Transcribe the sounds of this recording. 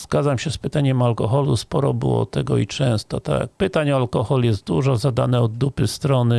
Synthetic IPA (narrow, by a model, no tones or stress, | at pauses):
z̥ɡad̪zamɕɛspɘt̪aɲɛmalkɔxɔluspɔɾɔbɘ̰wɔ̰t̪ɛɡɔ̰it͡ʂɛ̃w̃st̪ɔt̪a̰k̚pɘt̪aɲɔalkɔxɔljɛst̪̚d̪uʐɔzad̪anɛɔd̪ːupɘst̪ɾɔnɘ